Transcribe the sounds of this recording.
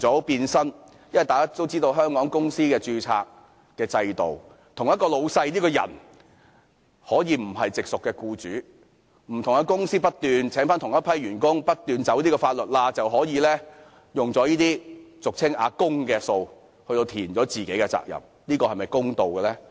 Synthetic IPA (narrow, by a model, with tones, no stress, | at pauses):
t͡sɔː˨˥piː˧nsɐ˥n | jɐ˥nwɐ˨jt̪aː˨˩kaː˥t̪o˥wt͡siː˥t̪o˧wɦœː˥ŋkɔː˨˥ŋkʊ˥ŋsiː˥kɛː˧t͡ʃyː˧t͡sʰa̰ː˧k̚ | kɛː˧t͡sɐ˧jt̪o˨w | t̪ʰʊ˨˩ŋjɐ˥t̚kɔː˧lo˨˧wsɐ˧jliː˥kɔː˧jɐ̰˨˩n | hɔː˨˥jiː˨˧m̩˨˩ɐ˨jt͡sɪ˨k̚sʊ˨kːɛː˧kuː˧t͡ʃyː˨˥ | m̩˨˩t̪ʰʊ˨˩ŋkɐ˧kʊ˥ŋsiː˥pɐ˥t̚t̪yː˨nt͡sʰɛː˨˥ŋfaː˥nt̪ʰʊ˨˩ŋjɐ˥t̚pʰɐ˥jɥyː˨˩nkʊ˥ŋpɐ˥t̚t̪yː˨nt͡sɐ˨˥wt̪iː˥kɔː˧faː˧t̚lɵ˨t̚laː˧t͡sɐ˨wɦɔː˨˥jiː˨˧lɛː˥ | jʊ˨ŋt͡sɔː˨˥jiː˥t̪iː˥t͡sʊ˨k̚t͡sʰɪ˥ŋa̰ː˨˧kʊ˥ŋkɛː˧so˧w | hɵ˧t̪o˧wt̪ʰiː˨˩nt͡sɔː˨˥t͡siː˨ke˨˥kɛ˧t͡sa̰ː˧˨k̚jɐ̰˨m | niː˥kɔː˧hɐ˨jmɐ˨˩jkʊ˥ŋt̪o˨wkɛː˧lɛː˥